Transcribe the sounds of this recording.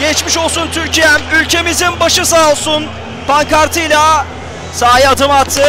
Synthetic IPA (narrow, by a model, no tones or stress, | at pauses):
ɟɛt͡ʃmiʃo̞lˠsunt̪ʰyɾcijɛæmylʲcʰe̞mizinbaʃɯsaːlˠsun | paŋkaɾt̪ʰɯjlʲˠa | saːjiad̪ɯmat̪ʰːɯ